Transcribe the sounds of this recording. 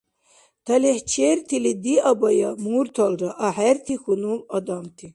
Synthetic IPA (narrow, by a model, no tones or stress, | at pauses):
t̪ʰɐleht͡ʃʰeɾt̪ʰilid̪iɐbɐjamuɾt̪ʰɔlɾɐʔɐħɛɾt̪ʰixunumɐd̪amt̪ʰi